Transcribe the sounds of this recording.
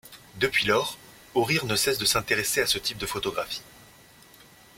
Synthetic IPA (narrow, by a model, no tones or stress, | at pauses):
d̪əpɥilɔʁ | oʁiʁnəsɛsd̪əsɛ̃t̪eʁeseasət̪ip̚d̪əfot̪ɔɡʁafi̥